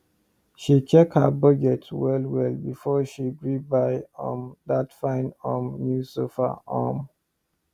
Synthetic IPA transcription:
ʃit͡ʃʰɛk̚hə̰bɔd͡ʒɛtwɛlwɛlbifɔʃiɡɹibaɪɔ̰̃ndatfãɪ̃nɔmnjusofa̰a̰m

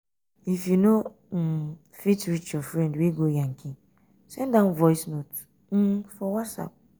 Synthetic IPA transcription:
ifjuno | fitɾit͡ʃjɔfɾɛ̃ndweɡojãŋkʰĩ | sɛ̃ndãnvɔɪsnot | m̩fɔwatsa̰p̚

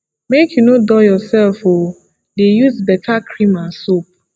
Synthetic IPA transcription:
mekʰjunodɔjɔsɛlfo | dejuzbɛtʰakʰɾĩmasop̚

